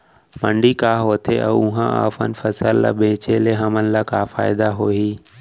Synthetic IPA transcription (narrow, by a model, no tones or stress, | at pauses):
mə̃ɳɖikaːɦoːt̪ʰeʔɛ̰ʊɦãa̰ːfə̰nɪ̆fəsəlːa̰ːbẽːt͡ɕeleɦəmənɪ̆laːkaːfa̰ːɪd̪aɦoːiː